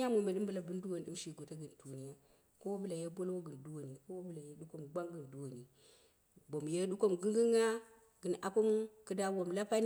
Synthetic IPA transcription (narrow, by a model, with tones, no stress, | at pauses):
a˦mo˨me˨ɗi˦mbɨ˨la˨bɨ˦ndu˦wo˨n˨ɗɨ˦mʃi˨ɡo˨ta˦ɡɨ˨n˨tu˨ni˨ja˦ | ko˦wbɨ˦la˨je˦bo˦lwo˦ɡɨ˨ndu˦wo˨ni˨ko˦wbɨ˨la˨je˦ɗu˦ko˦mɡ͡ba˦ŋɡɨ˨ndu˨wo˨ni˨ | bo˨mje˦ɗu˦ko˦mɡɨ˦ŋɡi˦ŋa˦ | ɡɨ˨nʔa˨po˦m˦kɨ˦da˦wo˨mla˦pa˦n